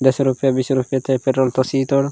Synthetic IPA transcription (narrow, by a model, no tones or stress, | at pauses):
d̪esɾupijabisɾupijat̪epeʈːɔlt̪ɔsit̪ɔɽ